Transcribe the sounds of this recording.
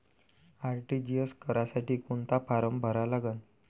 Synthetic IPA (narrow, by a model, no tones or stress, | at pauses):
aɾʈid͡ʑijəskəɾasaʈiːkuɳt̪apaɾəmbʱəɾalaɡən